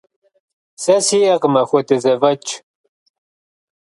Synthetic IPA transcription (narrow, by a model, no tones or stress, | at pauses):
sɐsiɐqmɐxʷɔtɨzɐvɐt͡ʃʰ